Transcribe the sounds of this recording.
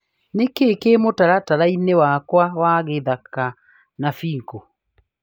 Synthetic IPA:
nekekemotaɾataɾainewakwawaɣeðaka | nafiːŋko

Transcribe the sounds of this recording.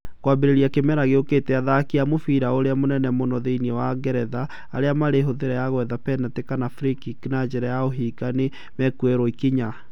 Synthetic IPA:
kwabeɾeɾiakemɛɾaɣeokeːtɛaðakiamofiɾaoɾeamonɛnɛmonɔðeiniɛwaɡɛɾɛðaː | ɾeamaɾeɦoðeɾɛjaɣwɛðapɛnatekanafɾikiknad͡ʒɛɾajaoɦiːkane | mɛkuɛɾɔikiɲa

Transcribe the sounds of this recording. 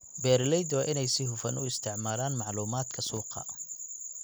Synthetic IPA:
bɛːrlɛjd̪wɑʔɪnɛjsɪhʊfɐnʊ̰ɪst̪ʰɪʕmaːlaːnmɑʕluːmaːd̪kʰɐsuːqɐ̰

